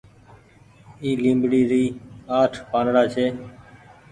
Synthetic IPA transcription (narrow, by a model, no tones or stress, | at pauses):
iːlĩːmbɽiːɾiːaːʈʰpãːnɽaːt͡ʃʰeː